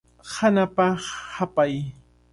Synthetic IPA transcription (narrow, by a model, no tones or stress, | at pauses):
hanapaχhapaj